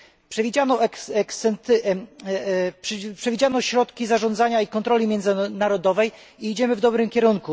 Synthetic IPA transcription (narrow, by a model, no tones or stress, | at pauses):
pʂɛvʲid͡ʑanɔɛksɛnt̪ | ppʂɛvʲid͡ʑanɔɕɾɔt̪kʲizaʐɔ̃nd̪zaɲaikɔnt̪ɾɔlʲimʲjɛnd̪znaɾɔd̪ɔvɛj | iid͡ʑɛmɘvd̪ɔbɾɘmkʲɛɾuŋku